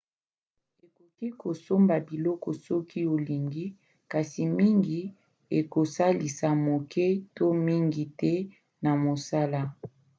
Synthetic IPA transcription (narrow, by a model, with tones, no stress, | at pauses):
e˨ko˨ki˦ko˨so˦mba˨bi˨lɔ˦kɔ˨sɔ˦ki˦o˨li˨ŋɡi˦ | ka˨si˨mi˦ŋɡi˨ | e˨ko˨sa˦li˨sa˨mo˨kʰɛ˦to˦mi˦ŋɡi˨tɛ˦ | na˨mo˨sa˦la˦